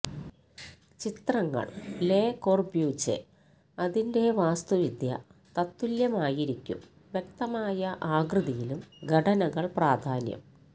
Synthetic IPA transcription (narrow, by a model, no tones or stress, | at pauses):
t͡ɕit̪rɐŋːɐ̰ɭle̞ːkoːrbjuːt͡ɕːḛ | ɐðinde̞ʋaːst̪uʋid̪jɐ̰t̪ɐt̪ːuljɐmaːjiɾikʲːṵm | ʋjek̚t̪ɐmaːjɐʔaːɡrɨðijilumɡʱɐʈɐnɐɣɐɭpraːd̪ʱaːnjɐ̰m